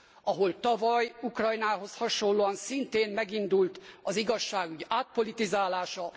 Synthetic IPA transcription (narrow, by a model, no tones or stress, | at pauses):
ɒɦo̞lt̪ɒvɒjukrɒjnaːɦo̞shɒʃo̞llːoːɒnsint̪eːmmɛɡind̪ult̪ɒziɡɒʃːaːɡyɟaːt̪̚po̞lit̪izaːlaːʃɒ